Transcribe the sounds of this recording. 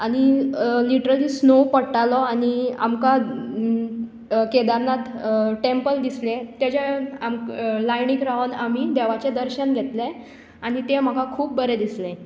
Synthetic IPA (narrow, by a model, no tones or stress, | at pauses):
aɽ̃iliʈəɾəliːsnopəɽʈalɔaɽ̃ia̰mka | ked̪aɾnat̪ʈempəld̪islet̪jat͡ɕeamlajnikɾaʋnamid̪eʋat͡ɕed̪əɾɕənɡʱet̪le | aɽ̃ñit̪em̤əkakʰuːp̚bəɾed̪isle